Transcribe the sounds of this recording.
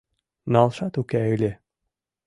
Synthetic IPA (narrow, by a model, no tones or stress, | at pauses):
nɑlˠʃɑt̪ukæylʲe